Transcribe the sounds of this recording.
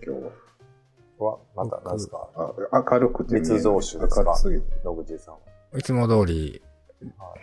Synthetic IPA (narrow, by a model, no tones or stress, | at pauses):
kʲo | βamat̪a̰nãaaakaɾɯ̟kɯ̟t̪ːeisɨzoːɕakaɾsɨiɾokɯd͡ʑisã | it͡sɨmod̪o̞ːɾʲi